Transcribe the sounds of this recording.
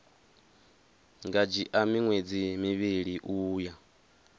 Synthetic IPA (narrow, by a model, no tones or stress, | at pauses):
ŋɡad͡ʒiʔamiŋwed͡zimiβiɺiʔuːja